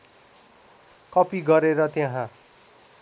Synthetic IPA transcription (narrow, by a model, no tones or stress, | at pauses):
kʌpiɡʌɾeɾʌt̪jaɦã